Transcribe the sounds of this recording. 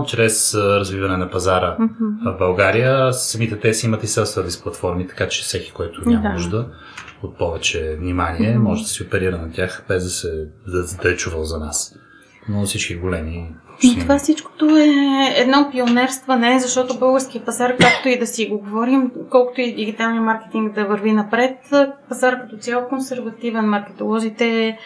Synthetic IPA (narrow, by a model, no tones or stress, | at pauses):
t͡ʃɾɛsɾɐzvivɐnɛnɐpɐzaɾəvbɐlˠɡaɾijəsɐmit̪ɛt̪ɛsimɐt̪isɛsvəd̪isplˠɐt̪fɔɾmit̪ɐ̥kat͡ʃɛfsɛki̥kɔjt̪onamnuʒd̪ə | ot̪̚pɔvɛt͡ʃɛvnimaniɛmɔʒɛd̪ɐsiopɛɾiɾənɐt̪ʲjaxbɛzd̪ɐsɛd̪ɐɛt͡ʃuvəlˠzɐnas | nofsit͡ʃkiɡolɛmit̪ovafsit͡ʃko̥t̪oɛɛd̪nɔpionɛɾst̪vənɛzɐʃt̪ɔt̪obɤlˠɡəɾsk̟ijəpɐzaɾkakt̪oid̪ɐsiɡoɡovɔɾimkɔlˠko̥t̪oid̪iɡit̪alˠnijmaɾkɛ̥t̪iŋɡd̪ɐvəɾvinɐpɾɛt̪pɐzaɾkɐt̪ɔt̪sʲjalˠkonsɛɾvɐt̪ivɛnmɐɾkɛ̥t̪olˠɔzit̪ɛ